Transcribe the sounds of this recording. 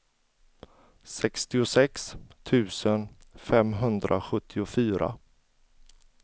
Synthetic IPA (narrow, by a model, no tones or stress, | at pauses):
sɛkst̪ɪʊsɛkst̪ʰʉ̟ːsənfɛmɦɵnd̪ɾʔa̰ɧɵt̪ʰːɪʊfyːɾa̰